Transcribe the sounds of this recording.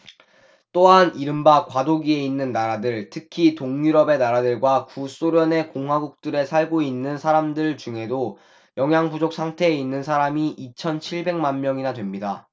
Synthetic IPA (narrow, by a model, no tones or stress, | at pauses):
t͈oɦaniɾɯmbakwadoɡie̞inːɯnːaɾadɯɭtʰɯkʰitoŋɲuɾʌbe̞naɾadɯɭɡwakus͈oɾjʌne̞koŋɦwaɡuk̚t͈ɯɾe̞sʰaɭɡoinːɯnsʰaɾamdɯɭt͡ɕuŋɦe̞do | jʌŋɦjaŋbud͡ʑok̚s͈ʰaŋtʰe̞ːinːɯnsʰaɾamiʔit͡ɕʰʌnt͡ɕʰiɭbe̞ŋmanmjʌŋinadwe̞mɲida